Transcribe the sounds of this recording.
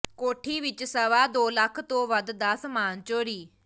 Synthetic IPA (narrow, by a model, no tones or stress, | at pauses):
koːʈʰiːʋɪt͡ʃsəʋaːd̪oːləkʰt̪õːʋəd̪d̪aːsmaːnt͡ʃoːɾiː